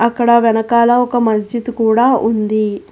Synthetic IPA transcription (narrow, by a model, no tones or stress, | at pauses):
ɐkːɐɽɐʋɛnɐkaːlɐɔkɐmɐs̬d͡ʒid̪kuːɽaːʔund̪i